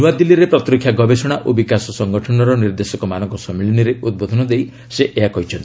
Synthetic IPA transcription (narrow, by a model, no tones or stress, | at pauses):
uwad̪ilːiɾepɾɔt̪ɾikʰːjaɡɔbesɔɽ̃aʔobikasɔsɔŋɡɔʈʰɔnɔɾɔniɾd̪esɔkɔmanɔŋkɔsɔmiliniɾeʔud̪̚bod̪ʱɔnɔd̪ej | seʔeɦakɔɦit͡ʃʰɔnt̪i̥